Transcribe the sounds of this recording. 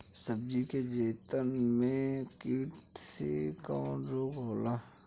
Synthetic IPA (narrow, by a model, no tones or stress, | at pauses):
səb̚d͡ʒiked͡ʒeːt̪ənmẽkɪʋʈsḛkãːnɾoːɡɦoːla